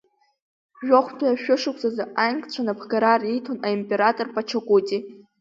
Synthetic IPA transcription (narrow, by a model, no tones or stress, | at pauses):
ʒᶣoχʷtʰajaʃᶣʊʂɨkʷʰʼzazaʔajnkʼt͡ɕʷʰanapʰɡaɾaritʰonaimpʼe̞ɾatʼorpʼat͡ʃʰakʷʼutʼi